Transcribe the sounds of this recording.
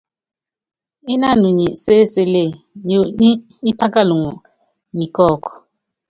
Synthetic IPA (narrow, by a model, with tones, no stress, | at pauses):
i˦na˦˨nu˨ɲi˨seː˦˨se˦le˦˨ | ɲo˨ɲi˦ | i˦pa˦ka˦lu˨ŋɔ˨ | ɲi˨kɔ˦˨kɔ̥˨